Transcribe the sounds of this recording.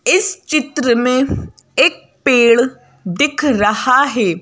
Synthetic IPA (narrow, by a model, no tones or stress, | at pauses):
ɪst͡ʃɪt̪ɾəmẽː | ɪk̚ | peːɭ | d̪ɪkʰɾəhaːɦɛː